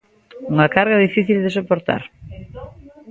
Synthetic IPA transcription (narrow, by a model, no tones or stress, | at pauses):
uŋakaɾɣaðifiθild̪esopoɾt̪a̰ɾ